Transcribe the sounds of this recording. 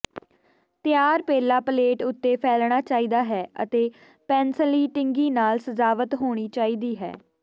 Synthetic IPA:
t̪ɪjaːɾpeːlaːpəleːʈʊt̪ːeːpʰɛːlɳ̃aːt͡ʃaːiːd̪aːɦɛːʔə̰t̪eː | pɛ̃ːnsəliːʈɪŋɡiːnaːlsəzaːʋət̪ɦoːɽ̃iːt͡ʃaːiːd̪iːɦɛ̰ː

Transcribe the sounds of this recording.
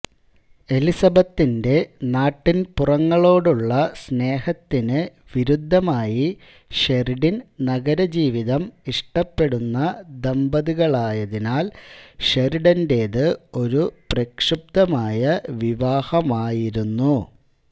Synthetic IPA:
e̞lisɐbɐt̪ːinde̞naːʈːinpurɐŋːɐɭo̞ːɽuɭːɐsne̞ːhɐt̪ːinɨ | ʋiɾud̪ʱːɐmaːji | ʂeriɽinnɐɡɐɾɐd͡ʑiːʋiðɐmiʂʈɐpːe̞ɽunːɐd̪embɐðiɣɐɭaːjɐðinaːlʂeɾiɽɐnde̞ːðɨo̞ɾuprɐkʂɨp̚t̪ɐmaːjɐʋiʋaːhɐmaːjiɾunːu

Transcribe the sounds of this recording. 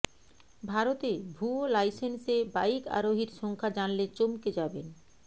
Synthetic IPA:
bʱaɾot̪ebʱuolajsenseba̰jika̰ɾoɦiɾʃɔŋkʰad͡ʑanlet͡ɕomked͡ʑaben

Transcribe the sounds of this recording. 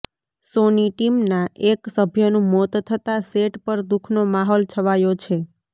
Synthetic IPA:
soniʈimnaeksəbʱjənũmɔt̪t̪ʰət̪aseʈpəɾd̪ukʰnomaɦɔlt͡ʃʰəʋajot͡ʃʰe

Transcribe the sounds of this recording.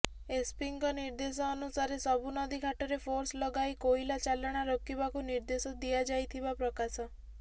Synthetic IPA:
espiŋkɔniɾd̪esɔːnusaɾesɔbunɔd̪ikʰaʈɔɾepʰoɾslɔɡajkoilat͡ʃalaɽ̃aɾokibakuniɾd̪esɔd̪ijad͡ʒajt̪ʰibapɾɔkasɔ

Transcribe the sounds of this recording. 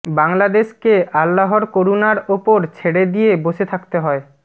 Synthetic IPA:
baŋlad̪eʃkeʔalːaɦoɾkoɾunaɾopoɾt͡ɕʰeɽed̪ijeboʃet̪ʰakt̪eɦɔe

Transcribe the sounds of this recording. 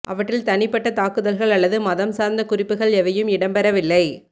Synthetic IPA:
ʔɐʋɐʈːrɪlt̪ɐnɪpːɐʈːɐt̪aːkɯðɐlɣɐɭɐɭːɐðɯmɐðɐmsaːɾnd̪ɐkʊrɪpːɯɣɐɭɛʋɐjɯmɪɽɐmpɛɾɐʋɪlːɐɪ

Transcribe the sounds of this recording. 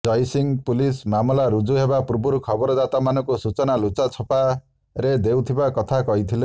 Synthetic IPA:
d͡ʒɔjsiŋpulismamɔlaɾud͡ʒuɦebapuɾbuɾukʰɔbɔɾɔd̪at̪amanɔŋkusut͡ʃɔnalut͡ʃat͡ʃʰɔpa | ɾed̪ewt̪ʰibakɔt̪ʰakɔɦit̪ʰile

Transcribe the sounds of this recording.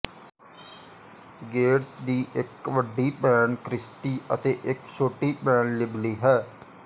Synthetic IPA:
ɡeːɾsd̪iːʔɪkʋəɖːiːpɛːnkɾɪsʈiːʔə̰t̪eːʔɪkʃʰoːʈiːpɛːnlɪbliːɦɛː

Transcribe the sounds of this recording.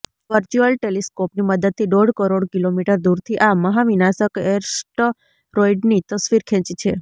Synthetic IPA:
ʋəɾt͡ʃuəlʈeliskopniməd̪əd̪̚t̪ʰːiɖ̪oɽkəɾoɽkilomiʈəɾd̪uɾt̪ʰiʔaməɦaʋinasəkeɾsʈ | ɾoiɖnit̪əsʋiɾkʰɛ̃t͡ʃit͡ʃʰe

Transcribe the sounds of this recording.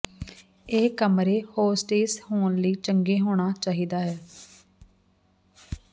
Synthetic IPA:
eːkəmɾeːhoːsʈeːshoːnləiːt͡ʃəŋɡeːɦoːɳ̃aːt͡ʃaːɦiːd̪aːɦɛː

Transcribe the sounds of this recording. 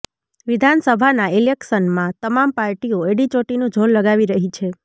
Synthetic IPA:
ʋid̪ʱansəbʱanailekʃənmãt̪əmampaɾʈioeɖit͡ʃoʈinũd͡ʒʱolləɡaʋiɾəɦit͡ʃʰe

